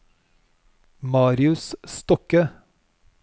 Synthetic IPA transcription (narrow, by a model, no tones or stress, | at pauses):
mɑːɾɪʉsst̪ɔkə